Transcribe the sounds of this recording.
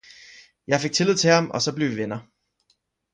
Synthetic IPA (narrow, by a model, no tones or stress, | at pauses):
jɑ̈ɪfe̝ɡ̥̚t͡sʰi̝lið̰ˠt͡sʰe̝ɑ̈mɒ̽sɒ̽b̥le̝ʊʋiʋenɐ